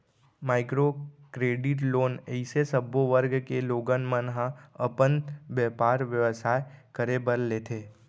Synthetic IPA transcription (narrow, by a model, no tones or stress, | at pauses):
maːɪkɾokɾeːɖɪʈloːnɛɪsesəboʋəɾɡkeloːɡənmənɦãɐpənʋjɛːpaːɾʋjəʋsaːekəɾebəɾleːt̪ʰeː